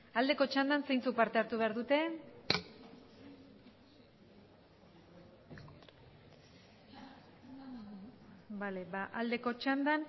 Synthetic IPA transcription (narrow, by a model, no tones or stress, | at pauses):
ald̪e̞ko̞t͡ʃand̪anse̞jnt͡suk̚paɾt̪e̞aɾt̪uβe̞aɾðut̪e̞ | bale̞baʔald̪e̞ko̞t͡ʃand̪an